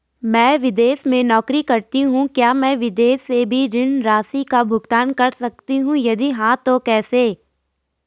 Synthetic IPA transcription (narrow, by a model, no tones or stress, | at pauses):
mɛ̃ːʋɪd̪eːsmẽnɔːkɾikɐɾt̪iɦũkjaːmɛ̃ːʋɪd̪eːsːebʱiɾɪnɾaːsikabʱʊɡt̪aːnkɐɾsɐk̚t̪iɦũjɐd̪iɦãt̪okɛːseː